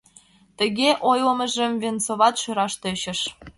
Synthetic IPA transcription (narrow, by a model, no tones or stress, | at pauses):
t̪ə̆ɣeʔojlə̆mə̆ʒə̆mvʲent͡soβɑt̪ʃøɾɑʃt̪øɕə̆ʃ